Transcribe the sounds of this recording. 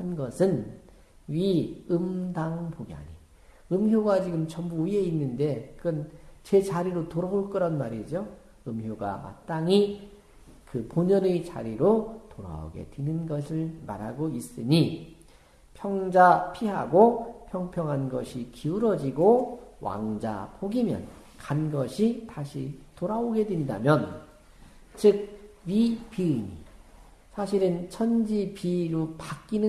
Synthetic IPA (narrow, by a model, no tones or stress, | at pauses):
hanɡʌsʰɯn | ɥiɯmdaŋpoɡja̰ni | ɯmçjoɡat͡ɕiɡɯmt͡ɕʌmbuie̞inːɯnde̞kɯnt͡ɕe̞t͡ɕaɾiɾotoɾaoɭk͈ɯɾʌnmaɾid͡ʑo | ɯmjoɡa̰ma̰t͈aŋi | kɯponʌɾɯt͡ɕa̰ɾiɾotoɾa̰o̰ɡe̞̰dwenɯnɡʌsʰɯɭma̰ɾɦaɡois͈ɯɲi | pʰjʌŋd͡ʑapʰiɦa̰ɡopʰjʌŋpʰjʌŋɦanɡʌɕʰikiuɾʌd͡ʑiɡowa̰ŋd͡ʑa̰poɡimjʌ̰n | kanɡʌɕʰitaɕʰitoɾaoɡe̞dwenda̰mjʌn | t͡ɕɯk̚ɥipiiɲḭ | sʰaɕʰiɾɯnt͡ɕʰʌnd͡ʑipiɾopak͈inɯ